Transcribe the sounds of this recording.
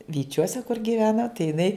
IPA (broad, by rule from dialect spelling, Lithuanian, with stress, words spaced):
ʋʲiːˈt͡ʃʲuɔsʲɛ kʊr ɡʲiːˈʋʲæːnɐ tɐɪ jɪˈnɐɪ